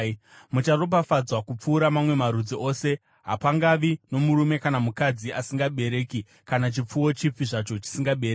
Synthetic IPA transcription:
mut͡ʃarop̬afad͡zwakup͡fuːɾamamwe̞maɾud͡ziʔo̞ːse̞ | ɦa̰paŋɡaʋino̞muɾume̞kanamukad͡ziʔasiŋɡaɓe̞ɾe̞ːki | kanat͡ʃip͡fuwo̞t͡ʃip͡fiʐat͡ʃo̞t͡ʃi̥siŋɡaɓe̞ɾei

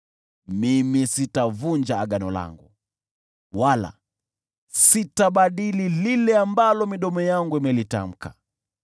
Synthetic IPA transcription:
mimisitavund͡ʒaːɡanɔla̰ŋɡu | wala̰ | sitaɓaɗilililɛambalɔmiɗɔmɔjaŋɡuimɛlita̰m̩ka

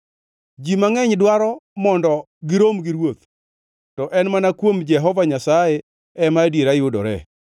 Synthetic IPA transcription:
d͡ʒimaŋɛɲdwaɾɔmɔndɔ | ɡɪɾomɡɪɾwot̪̚ | tɔʔɛnmanakwomd͡ʒɛɦɔvaɲasaje | ɛmadjeɾajʊdɔ̰ɾɛ̰

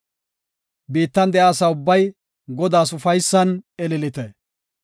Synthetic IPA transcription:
biːt̪ːɐnd̪ɛʔaːsɐʊbːɐj | ɡɔd̪aːsʊfɐjsːɐnɛlɪlɪt̪ɛ

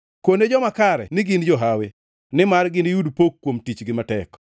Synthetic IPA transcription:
koned͡ʒɔmakaɾɛ̰nɪɡɪnd͡ʒɔɦawe | nɪmarɡɪnɪjudpokːwomtit͡ʃɡɪmatɛk

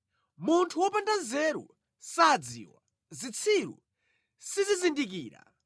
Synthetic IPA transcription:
muntʰuwɔpandanzɛːɾṵ | sad͡zḭwa̰ | zit͡sʰiɾṵ | sizizindik̬iːɾa̰

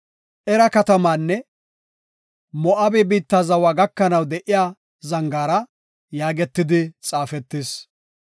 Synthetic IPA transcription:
ʔɛɾɐkɐt̪ɐmaːnːɛ | mɔʔɐbɛbiːt̪ːaːzɐwaːɡɐkːɐnɐwd̪ɛʔɪjaː | zɐŋɡaːɾɐ | jaːɡɛt̪ːɪd̪ɪt͡sʼaːfɛt̪ːɪs

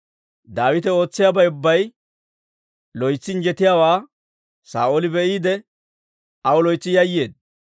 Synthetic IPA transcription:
d̪aːwɪt̪ɛo̞ːt͡sːɪjaːbɐjʊbːɐj | lɔjt͡sːɪnd͡ʒɛt̪ɪjaːwaː | sa̰ːʔolɪbɛʔiːd̪ɛ | ɐwɔlɔjt͡sːɪjɐjːeːd̪̚

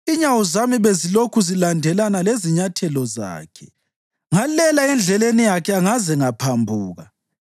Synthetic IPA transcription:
iɲawɔzamiβezilokʰuzilandʱɛlanaleziɲatʰɛlɔza̰ːkʰɛ̥ | ŋalɛlaɛnd͡ɮʱɛlenijakʰɛaŋazɛŋapʰambʱuːɣa

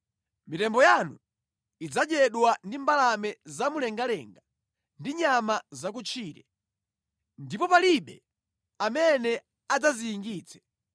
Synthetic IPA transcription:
mitɛmbɔjanu | id͡zad͡ʒɛɗwandimbalamɛzamulɛŋɡalɛ̰ŋɡa | ndiɲamazak̬ut͡ʃʰiːɾɛ | ndipɔpaliɓɛ | amɛnɛ | ad͡zazijːŋɡiːt͡sʰɛ̥

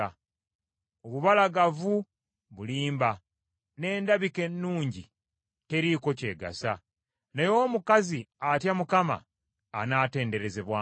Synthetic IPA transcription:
oβuβalaɡavu | βuliːmba | ne̞ːndaβike̞nːuːɲɟḭ | te̞ɾiko̞ce̞ːɡa̰sa | nejoːmukaziatjamukama̰ː | naːte̞ːnde̞ɾe̞ze̞βwaː

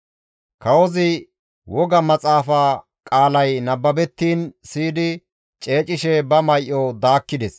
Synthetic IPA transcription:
kɐwɔzɪ | wɔɡɐmɐt͡sʼaːfaː | kʼaːlɐjnɐbːɐbɛt̪ːiːnsiːd̪ɪ | t͡ʃʼe̞ːt͡ʃʼɪʃɛbɐmɐjʔɔd̪aːkːɪd̪ɛs

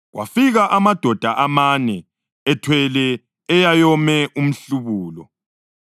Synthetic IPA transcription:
ɣwa̰fiɣaʔamad̥ʱɔd̥ʱaʔamanɛ | ɛtʰwɛlɛː | jajɔmɛʔum̩ɬuβuːlɔ̰

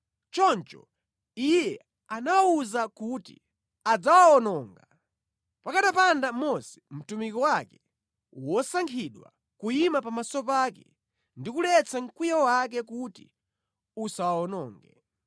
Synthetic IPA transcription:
t͡ʃɔnt͡ʃɔ̰ | ijɛ | anawauzakutḭ | ad͡zawaɔnɔŋɡa | pakaɗapandamɔsɛ̥m̩tumikɔwakɛ | wɔsaŋkʰiɗwa̰ | kujimapamasɔpaːkɛ | ndikulɛt͡saŋ̩kwijawak̬ɛkuti | usawaɔnɔːŋɡɛ̰

